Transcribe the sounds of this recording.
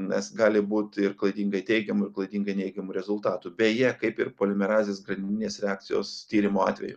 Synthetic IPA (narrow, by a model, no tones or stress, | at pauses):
nʲɛsɡɑːlʲɪbuːt̪ɪrklˠɐɪd̪ʲiːŋɡɐɪt̪ʲɛɪɡʲɛmʊɪɾklˠɐɪd̪ʲiːŋɡɐɪnʲɛɪɡʲɛmuːɾʲɛzʊlˠt̪ɑːt̪ubʲɛjɛkɐɪpɪrpoːlʲɪmʲɛɾɑːzʲeːsɡɾɐnd̪ʲɪnʲeːsɾʲɛɑːk̚t̪sʲɪjo̰ːst̪ʲiːɾʲɪmoːɑ̰ːt̪ʲʋʲɛ̰jʊ̰